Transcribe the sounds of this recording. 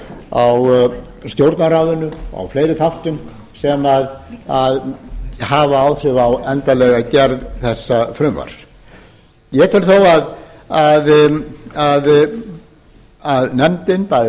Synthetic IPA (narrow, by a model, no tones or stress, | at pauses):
aw | st̪jowɾt̪naɾaːðʏnʏa̰wflejɾɪθʰawht̪ʏm | sɛmaðaðhaːvaawðθʏvawɛnt̪alɛɣacɛɾðθɛsːafɾʏmva̰ɾ̥s | jɛt̪ʰɪlθowað | að | að | aðnɛmt̪ɪnpaj